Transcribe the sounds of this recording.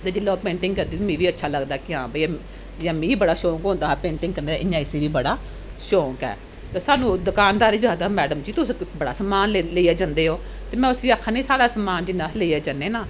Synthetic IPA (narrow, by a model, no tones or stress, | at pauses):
t̪eːd͡ʒɪlːãːpẽːɳʈɪŋɡkəɾd̪iːmĩːʋiːətːʃʰaːləɡd̪aːkɪãːbəi | jãːmĩːiːbəɽaːʃõːŋkõːnd̪aːɦːpẽːɳʈɪ̃ŋɡkəɾneːaʔɪɲãːɪseːʋiːbəɽaː | ʃoːkɛ̰ː | t̪eːsaːnũːd̪ʊkaːnd̪aːɾiːɡaːd̪aːmɛːɖəmd͡ʒiːt̪ʊsːkbəɽa̰ːsəmaːnleleijaːd͡ʒãnd̪eːɦoː | t̪eːmɛ̃ːʊsiːaːkʰːaːnẽːsaːɽaːsəmaːnd͡ʒɪnːãːleijaːd͡ʒənːeːnaː